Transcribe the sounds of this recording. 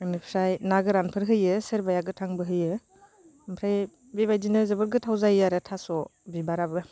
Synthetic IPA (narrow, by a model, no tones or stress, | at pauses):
ɯnɯpʰɾajnaɡɯɾanpʰɯɾɦɯjɯsɯɾbajaɡɯtʰaŋbɯɦɯjɯ | mpʰɾaj | bibajdinɯzɯbɯɾɡɯtʰawzajaɾɯtʰasɔbibaɾabɯ